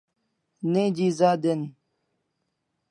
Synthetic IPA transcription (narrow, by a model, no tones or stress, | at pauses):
neːd͡ʑiːzaːd̪en